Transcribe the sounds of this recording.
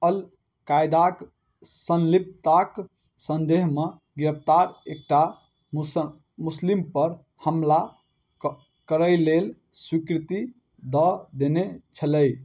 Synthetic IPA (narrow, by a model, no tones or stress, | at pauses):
əl | kajd̪ak | sənlip̚t̪ak | sənd̪eɦme | ɡɾəp̚ʰt̪aɾek̚ʈa | muslimpəɾ | həmla | kəɾəjlel | swikɾt̪i | d̪ɔd̪enet͡ʃʰələj